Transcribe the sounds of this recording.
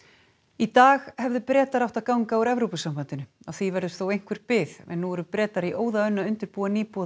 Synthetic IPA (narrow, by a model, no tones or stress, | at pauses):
it̪aːxhɛvðʏpɾɛːt̪aɾawht̪aðkawŋkawɾɛvɾowpʏsampant̪ɪnʏaθivɛɾðʏst̪θowejŋ̥kʰvɪɾ̥pɪθɛ̰nːuɛɾʏpɾɛːt̪aɾiʔoːwðaœnːaʏnt̪ɪɾpuːaniːpɔ